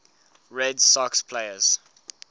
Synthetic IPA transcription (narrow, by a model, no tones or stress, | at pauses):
ɹɛdsɔkspʰleɪəz̥